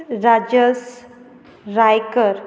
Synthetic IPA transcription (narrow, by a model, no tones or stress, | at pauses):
ɾad͡ʑəs | ɾajkəɾ